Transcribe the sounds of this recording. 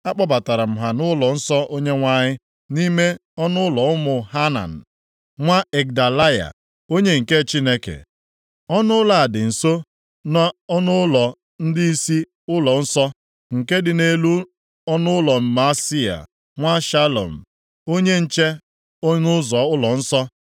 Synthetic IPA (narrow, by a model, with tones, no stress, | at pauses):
a˦k͡pɔ˦ba˨ta˨ɾa˨m̩˨ɦa˨nʊ˦lɔ˨n̩˦sɔ˦ʔo˦ɲe˦ŋʷa˦ɲɪ˦ | ni˦me˦ɔ˦nʊ˦ʊ˦lɔ˨ʊ˦mʊ˨ɦa˦na̰˨n̩˨ | ŋʷa˦e˨k̚da˨la˦ja̰˨ | o˦ɲe˦ŋ̩˨ke˦˨t͡ʃi˦ne˦kḛ˨ | ɔ˦nʊ˦la˨dɪ˨n̩˨so˦ | na˦ɔ˦nʊ˦lɔ˨ | n̩˦dɪ˦i˦si˦ | ʊ˦lɔ˨n̩˦sɔ˦ | ŋ̩˨ke˦dɪ˨ne˦lu˦ | ɔ˦nʊ˦ʊ˦lɔ˨m̩˨ma˦si˦a̰˨ | ŋʷa˦ʃa˦lo̰˨m̩˨ | o˦ɲe˦n̩˨t͡ʃe˦ | o˦ɲʊ˦zɔ˨ʊ˦lɔ˨n̩˦sɔ˦